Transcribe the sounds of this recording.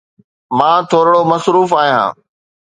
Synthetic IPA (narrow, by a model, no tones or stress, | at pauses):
mãːt̪ʰoːɾɽomɐsɾuːfaːɦijã̰ː